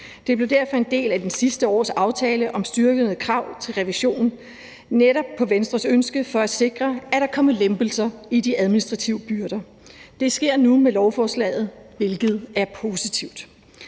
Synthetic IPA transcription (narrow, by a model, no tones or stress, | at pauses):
d̥e̝b̥le̝dæɐfɒ̽e̝nd̥e̝̰ːlæd̥ensisd̥əɒ̰ːsɑ̈ʊt͡sʰɛːləʔɒ̽msd̥yɐɡ̥ənəkʰʁɑ̈ʊ̰t͡sʰe̝lʁɛʋiɕo̝̰ːnn̩ | neɾɒ̽b̥̚pʰːɒ̽ʋensd̥ʁɐsønsɡ̥əfɒ̽æse̝ɡ̥ʁɐæɾ̥ɑ̈kʰɒ̽məlemb̥l̩sɐid̥iæð̞ˠminisd̥ʁɑ̈t͡sʰiʊəb̥yɐɾ̥ɐ | d̥e̝sɡ̥e̝ɐ̰numelɒʊfɒːslɛ̰ːð̞̩ˠʋe̝lɡ̥ð̞̩ˠæɐpʰo̝ːsit͡sʰiʊd̥